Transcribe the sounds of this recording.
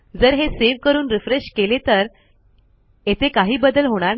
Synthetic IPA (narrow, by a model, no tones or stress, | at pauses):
d͡zəɾɦeseʋkəɾuːnɾifɾeɕkelet̪əɾ | et̪ekaɦiːbəd̪əlɦoɽ̃aɾ